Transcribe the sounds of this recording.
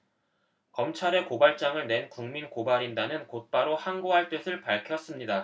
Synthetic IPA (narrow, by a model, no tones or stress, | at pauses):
kʌmt͡ɕʰaɾe̞kobaɭt͡ɕ͈aŋɯɭne̞nkuŋminkobaɾindanɯnkot̚p͈aɾohaŋɡoɦaɭt͈ɯsʰɯɭpaɭkʰjʌs͈ɯmɲida